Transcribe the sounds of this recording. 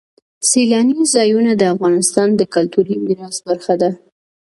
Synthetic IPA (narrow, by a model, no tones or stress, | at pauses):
selɑnizɑjunad̪əafɣɑnɪst̪ɑnd̪əkalt̪uɾimiɾɑzbaɾxad̪a